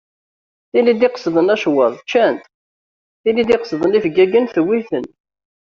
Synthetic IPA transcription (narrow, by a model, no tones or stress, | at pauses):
θilid̪iqsðˤənæʃwəðˤt͡ʃːænt̪ | θilːid̪ɪqsðˤənifɡæɡənθwiθən